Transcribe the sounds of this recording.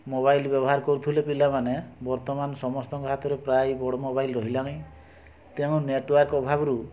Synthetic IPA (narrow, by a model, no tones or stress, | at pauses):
moβajlbjɔbɔɦaɾɔkɔɾut̪ʰulepilamanebɔɾt̪ɔmanɔsɔmɔst̪ɔŋkɔɦat̪ɔɾepɾajbɔɽɔmobajlɾɔɦilaŋ̃ĩ | t̪eũneʈwaɾkɔbʱabɔɾu